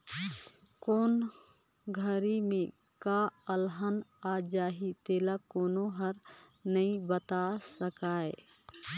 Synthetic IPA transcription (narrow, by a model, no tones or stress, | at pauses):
koːn | ɡʱəɾimẽ | kaəlɦənad͡ʒaːɦit̪eːlakoːnoɦəɾ | nəĩbət̪asəkaːe